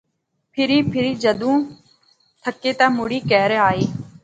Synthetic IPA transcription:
pʰɪɾiːpʰɪɾiːd͡ʒəd̪ũː | t̪ʰəkːeːt̪ãːmʊɽiːkɛːɾeaːeː

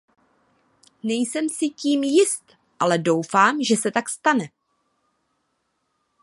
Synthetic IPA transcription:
nɛjsɛmsɪciːmjɪst̪ | ʔalɛdo̞wfaːmʒɛsɛt̪akst̪anɛ

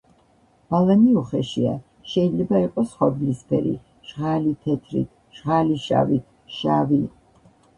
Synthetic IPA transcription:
balˠaniuχɛʃia̰ | ʃɛid̪zlɛbaiqʼɔsχad̪lispʰɛ̰ɾḭ | ʒ̥ʁalit̪ʰɛt̪ʰɾḭt̪ʰ | ʒ̥ʁaliʃa̰vit̪ʰ | ʃavi

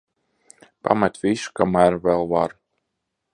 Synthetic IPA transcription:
pa̰mat̪ʲvisu̥kamæːɾvɛlˠvaɾ

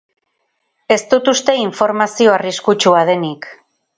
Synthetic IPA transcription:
e̞st̪ut̪ust̪e̞iɱfo̞ɾmasio̞ariskut͡ʃuað̞e̞nik

